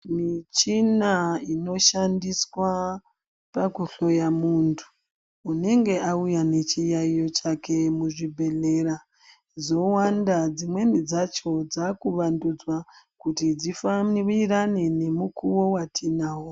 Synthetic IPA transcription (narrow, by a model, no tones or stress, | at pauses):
mit͡ʃinaino̞ʃandiswa | pakuɬo̞jamuntʰu̥ː | ne̞ŋɡe̞aujane̞t͡ʃijaijo̞t͡ʃakʰe̞muʐibʱe̞ɮe̞ːɾa | d͡zo̞wandad͡zimwe̞nid͡zat͡ʃo̞d͡zakuʋandud͡zwakutid͡zifairiɾanene̞mukʰuwo̞watʰinaːwo